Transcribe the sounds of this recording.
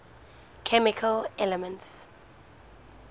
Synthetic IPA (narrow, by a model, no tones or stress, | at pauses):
kʰɛmikʰəlɛlɛmə̃nts